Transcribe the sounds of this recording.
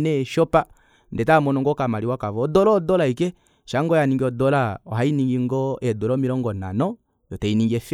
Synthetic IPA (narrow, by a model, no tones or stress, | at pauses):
nɛʃɔpa | ndɛtamɔnɔŋɡɔkamaɾiwakavɔːdɔlɔdɔlaikɛ | ʃaŋɡɔjaniŋɡiɔdɔlaɔɦainiŋɡiŋɡɔɛdɔlɔmiɾɔŋɡɔna̰nɔ | jɔtɛiniŋɡiɛf